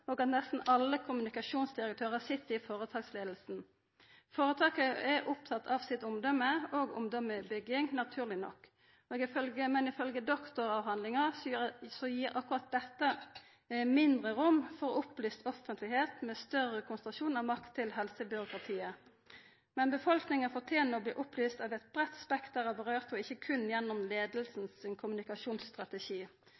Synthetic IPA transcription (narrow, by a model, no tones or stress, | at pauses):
oːɡɑt̪nɛst̪n̩ɑlːəkʰʊmʉnɪkɑʃuːnsd̪ɪʁək̚t̪ʰøːʁəsɪt̪ːəɪfoːʁət̪ʰɑːɡsleːd̪l̩sn̩ | foːʁət̪ʰɑːkəɛʔʊp̚t̪ʰɑt̪ʰːɑːʋsɪt̪ʊmd̪ɔmːəoːɡʊ̰md̪ɔməbʏɡɪŋnɑt̪ʰʉːʁlɪnɔ̰kː | oːɡɪfœlɡəmɛnɪfœlɡəd̪ɔkt̪ɔɾɑʋɦɑnd̪lɪŋɑsɔjiːɾʔɑkʉʁɑt̪̚d̪ɛt̪ːə | mɪnd̪ʁəʁʊmːfɔʁɔʊplyːst̪ɔfənt̪lɪheːt̪mɛːst̪œʁəkʰʊnsənʁɑʃuːnɑʋmɑkt̪ʰːɪlɦɛlsəbʏɾʊkʁɑt̪ʰiːə | mɛnbəfɔlknɪŋəfɔʁt̪ʰjeːnəɔbliːʔʊplyːst̪ɑʋɛt̪̚bʁɛt̪ːspɛkt̪̚æːʁɑbəʁøːʁt̪ɔɪçːəkʰʉnjɛnːʊmleːd̪lsn̩sɪnkʰʊmʉnɪkɑʃuːnsst̪ʁɑt̪ɛʃiː